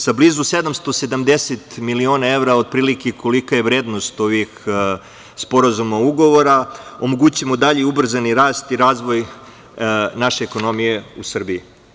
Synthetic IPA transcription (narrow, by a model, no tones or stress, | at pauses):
sabliːzuse̞d̪amst̪o̞se̞d̪amd̪eset̪milio̞ːnae̞ʋɾao̞d̪̚pɾiːlikekʰolikaje̞ʋɾeːd̪no̞st̪oʋix | spo̞ɾazumauɡo̞ʋo̞ɾao̞mo̞ɡut͡ɕuemod̪aʎeubr̩zaniɾaːst̪iɾaːzʋo̞j | naʃe̞ːko̞no̞mije̞usr̩bii